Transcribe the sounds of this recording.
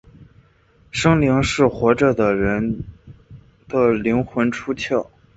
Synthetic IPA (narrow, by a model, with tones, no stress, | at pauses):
ʂɤ˥ŋli˧˥ŋʂɻ̩˥˩xwɔ˧˥ʈ͡ʂɤ˥˩d̪ə˩ɻə˧˥n | d̪ə˧˩li˧˥ŋxwə˧˥nʈ͡ʂʰu˥t͡ɕʰjɑ˥˩ʊ